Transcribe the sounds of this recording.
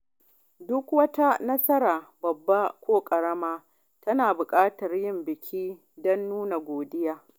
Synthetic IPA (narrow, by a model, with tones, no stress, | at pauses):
dʊ˦kwɐ˦ta˦nɐ˦sɐ˦ɾaː˨bɐ˨bːa˦kʷoː˦kʼɐ˨ɾɐ˦maː˦ | tɐ˦naː˨bʊ˨kʼaː˦tɐ˨rjɪ˦mbɪ˨kʲʰiː˦ | dɔ˦nːuː˦na˨ɡʷoː˨dɪ˦jaː˦